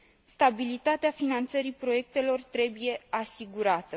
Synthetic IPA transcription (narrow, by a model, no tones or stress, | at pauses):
st̪abilit̪at̪eafinant̪səɾipɾo̞je̞k̚t̪e̞lo̞rt̪ɾe̞buje̞asiɡuɾat̪ə